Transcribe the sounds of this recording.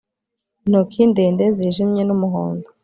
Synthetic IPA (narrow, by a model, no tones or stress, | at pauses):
nukʰindeːndeziʒimɲenumuɦo̰ːndo